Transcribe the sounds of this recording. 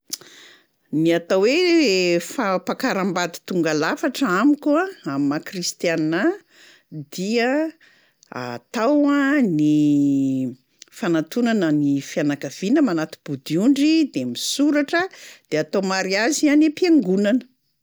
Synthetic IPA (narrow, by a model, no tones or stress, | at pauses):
niat̪awwe | fapakaɾambad̪i̥t̪uŋɡalafaʈ͡ʂəamikuaammakrist̪janːa | d̪iə | a̰t̪awani | fanat̪unanənifianakav̥inəmanat̪i̥b̥ud̪iuɳɖ͡ʐid̪emisuɾaʈ͡ʂəd̪̥eat̪omaɾiazianepjaŋɡunanə̥